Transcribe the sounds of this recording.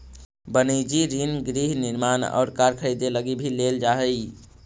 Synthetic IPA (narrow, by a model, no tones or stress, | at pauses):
bənəd͡ʒiɾinɡɾiɦniɾmanɔ̰ːɾkaɾkʰəjd̪eləɡibʱileld͡ʒaɦəj